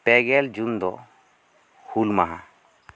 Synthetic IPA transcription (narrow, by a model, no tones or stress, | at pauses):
pɛɡɛld͡ʒund̪ɔ | hulmaɦã